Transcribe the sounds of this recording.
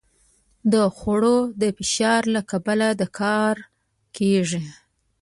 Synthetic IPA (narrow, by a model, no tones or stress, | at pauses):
d̪əxaɽod̪əfɪʃɑɾlakabalad̪əkʰɑɾ | keʐi